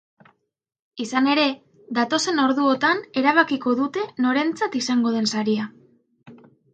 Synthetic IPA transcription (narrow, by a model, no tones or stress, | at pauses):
isane̞ɾe̞ | ðat̪o̞se̞no̞ɾðuo̞t̪ane̞ɾaβ̞akiko̞ðut̪e̞no̞ɾe̞nt͡sat̪isaŋɡo̞ð̞e̞nsaɾia